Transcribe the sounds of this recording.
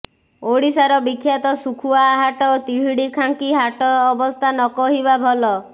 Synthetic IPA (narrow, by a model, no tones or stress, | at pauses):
oɽisaɾɔbikʰːjat̪ɔsukʰuaːɦaʈɔt̪iɦiɽikʰaŋkiɦaʈɔːbɔst̪ʰanɔkɔɦibabʱɔlɔ